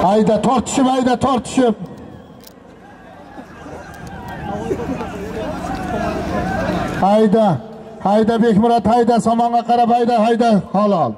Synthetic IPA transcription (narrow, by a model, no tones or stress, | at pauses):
ajd̪at̪ʰoɾt̪ʰʊ̥ʃɪpajd̪at̪ʰoɾt̪ʰʊ̥ʃɪp̚ | hajd̪ahajd̪abekʲmʊɾɑt̪hajd̪asɒmɑɴʁɑqʰɑɾaphajd̪ahajd̪ahɑlˠɑlˠ